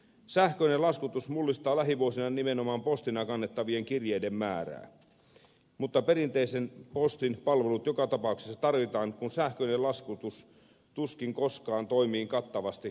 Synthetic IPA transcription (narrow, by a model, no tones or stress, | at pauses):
sæhkøinelɑskut̪usmulːist̪ɑːlæɦiʋuosinɑnimenomɑːmpo̞st̪inɑkɑnːet̪ːɑʋieŋkirjejdemːæːræ̰ː | mut̪ːɑpe̞rint̪eisenpo̞st̪inpɑlʋe̞lut̪jokɑt̪ɑpɑuksesːɑt̪ɑrʋit̪ɑːŋkunsæhkøinelɑskut̪us | t̪uskiŋko̞skɑːnt̪oimiːŋkɑt̪ːɑʋɑst̪i